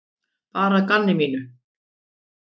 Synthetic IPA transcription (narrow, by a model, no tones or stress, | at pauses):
paːɾakanːɪmiːnʏ